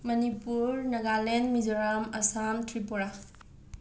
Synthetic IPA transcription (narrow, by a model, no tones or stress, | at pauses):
mɐnipuɾnɐɡalenmid͡ʒoɾamɐsamtɾipoɾa